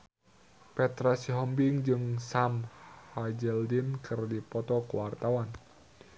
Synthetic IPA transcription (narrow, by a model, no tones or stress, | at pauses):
pɛt̪ɾasiɦɔmbɪŋd͡ʒɨŋsamhad͡ʒɛldinkʰɨrdipɔt̪ɔkəwart̪awan